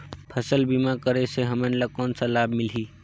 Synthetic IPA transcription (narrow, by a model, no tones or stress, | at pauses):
pʰəsəlbimakəɾeseɦəmənləkɔnsəlabmilɦi